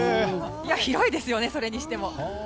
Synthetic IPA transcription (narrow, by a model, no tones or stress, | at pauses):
ijaçiɾo̞id̪e̞sɨjo̞ne̞so̞ɾe̞ɲ̟iɕi̥t̪e̞mo̞